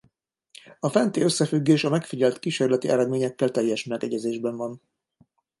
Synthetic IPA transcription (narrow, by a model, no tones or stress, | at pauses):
ɒfɛnt̪eːø̞sːɛfyɡːeːʃɒmɛkfiɟɛlt̪kiʃeːrlɛt̪iʔɛɾɛd̪meːɲɛkːɛlt̪ɛjːɛʃmɛɡɛɟɛzeːʒbɛɱvɒn